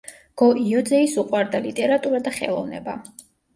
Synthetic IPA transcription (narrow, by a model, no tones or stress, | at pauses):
ɡ̥ɔʔiɔd̪zɛisuqʼwaɾd̪alit̪ʼɛɾat̪ʼuɾad̪aχɛ̰lˠɔvnɛ̰ba